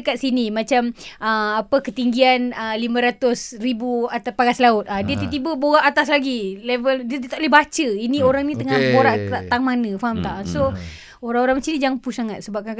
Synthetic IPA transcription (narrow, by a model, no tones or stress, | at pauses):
kat̪̚sinimat͡ʃaməapəkət̪iŋɡianəlimə̃ɾat̪ʊsribuat̪apaɡaslaʊt̪̚adiət̪ət̪ibəboɣaʔat̪aslaɡilevəldiət̪ət̪aʔlehbat͡ʃəinĩoɾaŋnĩt̪əŋanboɾaʔaʔt̪aŋmanə̃faɦmt̪aʔnso | oɾaŋoɾaŋmat͡ʃinĩd͡ʒaŋpusaŋat̪̚səbap̚ka